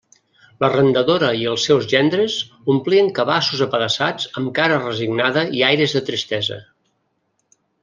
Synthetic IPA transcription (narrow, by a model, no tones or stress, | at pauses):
lərənd̪əðoɾəiəlˠsːɛwzʒɛnd̪ɾəz | umpliəŋkəβasuzəpəɾəsad͡zəmkaɾərəziɡnaðəiajɾəzðət̪ɾist̪ɛzə̰